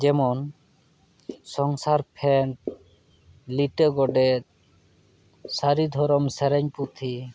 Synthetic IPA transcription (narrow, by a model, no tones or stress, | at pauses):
d͡ʒɛmɔn | sɔŋsaɾpʰɛɳʈ | liʈəɡɔɖɛt̪̚ | saɾid̪ʱɔɾɔmsɛɾɛɲput̪ʰi